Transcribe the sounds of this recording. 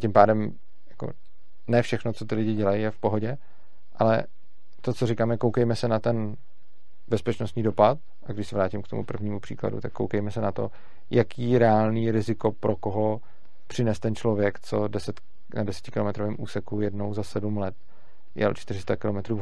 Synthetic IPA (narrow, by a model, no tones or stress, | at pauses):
cɪmpaːdɛm | jako̰ | nɛːfʃɛxnot͡so̞t̪ɪlɪɟɪɟɛlajijɛfpo̞ɦoɟɛ | ʔalɛ̰ | t̪ot͡so̞rɪkaːmjɛkowkɛjmɛsɛnat̪ɛn | bɛspɛt͡ʃnost̪ɲiːdo̞pat̪ | ʔaɡdɪʃsɛvɾaːcɪmkt̪o̞̰mṵpr̩vɲiːmupr̥ḭːkla̰dṵt̪akːo̰wkɛjmɛsɛnat̪o̞̰ | jʔakiːɾɛaːlniːɾɪzɪko̞pɾʔo̞koɦo | pr̝̥ɪnɛst̪ɛnt͡ʃlo̞vjɛkt͡so̞dɛsɛt̪ | nadɛsɛ̥cɪ̥kɪlo̞mɛt̪ɾovɛːmʔuːsɛkujɛdnowzasɛdumlɛt̪ | jɛ̰lt͡ʃt̪ɪɾɪst̪akɪlo̞mɛt̪ɾuː